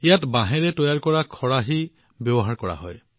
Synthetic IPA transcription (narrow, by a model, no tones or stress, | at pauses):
ijatbãɦɛɹɛtɔjaɹkɔɹakʰɔɹaɦi | bjɔbɔɦaɹkɔɹa̰ɦɔ̰j